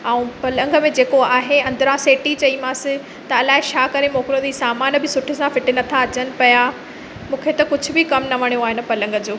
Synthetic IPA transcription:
aːũpɐlə̃ŋɡə̆mẽd͡ʑeːkoaːɦeɐ̃nd̪əɾãseːʈit͡ɕɐimãːsɪ | t̪ɐɐlaːɦɪt͡ɕʰaːkɐɾemõːknõd͡ʑisaːmaːnbɪsʊʈʰɪsãfɪʈɪnɐt̪ʰaɐt͡ɕənɪ̆pɐja | mũːkʰet̪ɐkʊd͡ʑʱʊ̆bɪkɐmnɐʋɐɽ̃ijoaːɦɪn̆pɐlə̃ŋɡd͡ʑoː

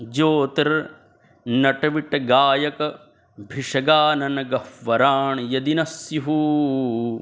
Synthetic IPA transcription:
d͡ʒoːt̪ɐɾ | nɐʈɐʋiʈɐɡaːjɐkɐ | bʱiʂɐɡaːnɐnɐɡɐfʋɐɾaːɳjɐd̪inɐsjiɦuː

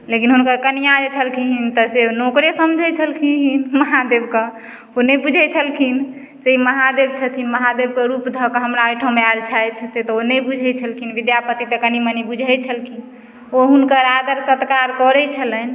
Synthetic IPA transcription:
lekinɦunkəɾkəniad͡ʒɛt͡ʃʰəlkʰiɦint̪ɔsenokɾesəmd͡ʒʱət͡ʃʰəlkʰiɦinməɦad̪ebke | onɛbud͡ʒʱɛjt͡ʃʰəlkʰin | seiməɦad̪ebt͡ʃʰət̪ʰinməɦad̪eb̚kəɾupd̪ʱəkəɦəmɾaəjʈʰomealt͡ʃʰajt̪ʰset̪ɔonəjbud͡ʒʱɛt͡ʃʰəlkʰinʋid̪japət̪it̪əkənimənibud͡ʒʱɛt͡ʃʰəlkʰin | oɦunkəɾad̪əɾsət̪kaɾkɔɾɛt͡ʃʰələn

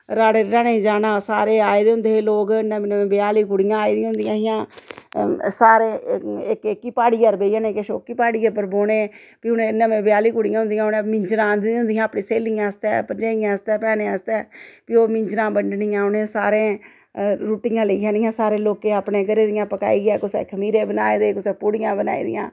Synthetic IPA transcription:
ɾaːɽeːɾaːnẽːd͡ʒaːnãːsaːɾeːaːed̪eːɦʊ̃nd̪eːloːkɪnːãːmɪnãːmẽːbɪjaːliːkʊɽɪjãːaːeːd̪ij̃ɦʊnd̪ɪjãːɦɪjãː | saːɾeːɪkkːiːpaːɽiːəɾbeːijãːnẽːkeʃoːkiːpaːɽiːɛːpəɾboːneː | piːʊnẽːnːãːmẽːbɪjaːliːkʊɽɪjãɦʊ̃nd̪ɪjãːʊnẽːmɪɲd͡ʒɾãːnd̪ɪɦʊ̃nd̪ɪjãːəpnĩːseːlɪjãːəst̪ɛ̰ːpəɾd͡ʒaːɪãːəst̪ɛːpɛːnẽːəst̪ɛːpiːoːmɪ̃ɲd͡ʒɾãːbəɳɖnɪːãːʊnẽːsaːɾẽː | ɾuːʈɪjãːləiːãːnɪjãːsaːɾẽːloːkẽːapnẽːkəɾeːd̪ɪjãːpəka̰ːiːɡɛːkʊsḛːkʰəmiːɾẽːbəna̰ːeːd̪eːkʊsɛːpʊɽɪjãːbəna̰ːḭːd̪ɪ̰jã̰ː

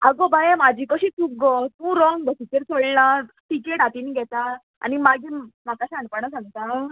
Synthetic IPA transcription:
aɡobajemad͡ʑʱikəɕiːt͡suk̚ɡɔt̪ũɾɔŋɡbəsit̪eɾt͡sʰoɭlã | ʈikeʈat̪iniɡʱɛt̪a | a̰nimaɡimakaɕaɳpəɳ̃as̬ãŋɡt̪a

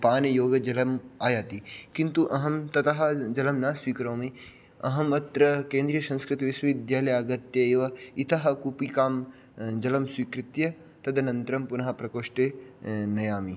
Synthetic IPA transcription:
paːnɐjoːɡɐd͡ʒɐlɐmaːjaːt̪ikint̪uʔɐɦɐmt̪ɐt̪ɐɦɐd͡ʒɐlɐmnɐːswiːkɾoːmi | ɐ̰ɦɐmɐt̪ɾɐkẽːnd̪ɾijɐsɐ̃nskɾɪt̪iʋɪswɐʋɪd̪jaːlɐjaːɡɐt̪jɐeʋɐit̪ɐɦɐkupikaːm | d͡ʒɐlɐmswikɾɪt̪jɐ | t̪ɐd̪ɐnɐ̃nt̪ɾɐmpunɐɦɐpɾɐkoːʃʈeːnɐjaːmi

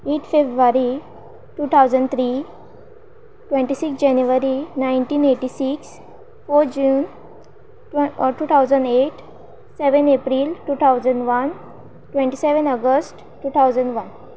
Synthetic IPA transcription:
eʈfebɾʋaɾi | ʈuːt̪ʰawd͡zəɳɖt̪ʰɾi | ʈʋẽɳʈisiksd͡ʑanjuʋəɾinajɳʈiːneʈisiks | foɾd͡ʑuːn | ʈuːt̪ʰawd͡zəɳɖeʈ | seʋənepɾilʈut̪ʰawd͡zəɳɖʋən | ʈʋẽɳʈiseʋənəɡəsʈ | ʈːuːt̪ʰawd͡zəɳɖʋən

